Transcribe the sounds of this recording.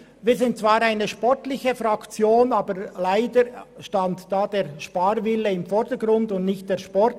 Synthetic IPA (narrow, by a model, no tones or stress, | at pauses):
viːɾzɪnt̚t͡svaːɾaɪnəʃpɔʁtlɪçəfɾɑkt͡sjoːnaːbəlaɪdəɾʃtɑntd̥aːd̥eːʁʃpaːɾvɪləɪmfɔɾdəɡɾʊndʊntnɪçt̚d̥eːʃpɔɾt